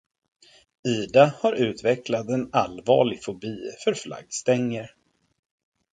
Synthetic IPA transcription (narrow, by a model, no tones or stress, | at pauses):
iːd̪ahaɾʉ̟ːt̪vɛklat̪ɛnalvɑ̰ːɭɪɡfʊbiːfœɾfla̰ɡst̪ɛŋːəɾ